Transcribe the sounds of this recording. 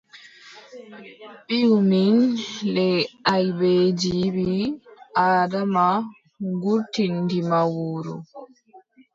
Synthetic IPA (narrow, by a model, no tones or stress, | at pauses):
piuminlɛajbed͡ʒibiʔaːdama | ɡuɾtʰːindimawoːɾṵ